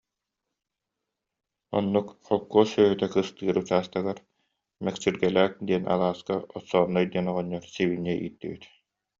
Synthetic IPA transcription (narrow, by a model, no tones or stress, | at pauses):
ɔ̰nːukχɔkːuːsœːɦyt̪ɛkɯst̪ɯːɾut͡ɕaːst̪aɡaɾ | mɛksiɾɡɛlæːk̚d̪iɛnʔa̰lˠaːskaɔtsɔːnːɔjd̪iɛnɔʁɔɲːɔɾsiβinːɛʔḭːt̪ːibit̪